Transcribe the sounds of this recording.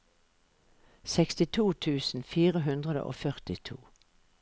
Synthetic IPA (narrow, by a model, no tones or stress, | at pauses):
sɛkst̪ɪt̪ʰuːt̪ʰʉːsn̩fiːʁəɦʉnd̪ʁəd̪ə̰ʔo̰ːfœʁt̪ɪt̪ʰuː